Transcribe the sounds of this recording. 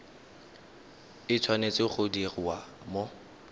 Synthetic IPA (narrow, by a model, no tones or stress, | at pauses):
ɪt͡sʰwanet͡sʼɪχʊdirɪwa | mo